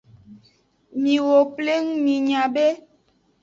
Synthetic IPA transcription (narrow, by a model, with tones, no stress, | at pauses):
mĩ˨wo˨ple˦ŋ˦mĩ˨ɲã˨be˦